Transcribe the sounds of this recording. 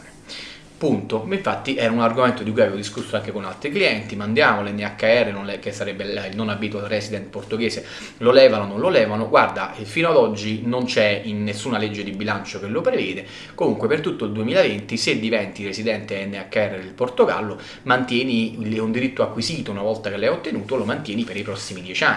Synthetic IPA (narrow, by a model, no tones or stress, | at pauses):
punt̪oiɱfat̪ːiʔɛːɾaunarɡoment̪od̪ikujaveːvod̪iskusːoaŋk̟ekonalt̪ɾikliɛnt̪imand̪jaːmolɛnːeakːaɛrːenonlekesːaɾɛbːeilnonabit̪walrɛsid̪ɛnt̪port̪oɡɛːse | lolɛːvanononlolɛːvanoɡward̪afiːnoad̪ɔd͡ʒːinont͡ʃɛinːesːunaled͡ʒːed̪ibilant͡ʃokelːopɾevɛːd̪e | komuŋkwepert̪ut̪ːoild̪uemiːlavent̪ised̪ːivɛnt̪iresid̪ɛnt̪eɛnːeakːaɛrːed̪elport̪oɡa̰lːo | mant̪jɛːnilɛund̪iɾit̪ːoakːwiziːt̪ounavɔlt̪akelːɛot̪ːenuːt̪olomant̪jɛːnipeɾipɾɔsːimid̪jɛt͡ʃanː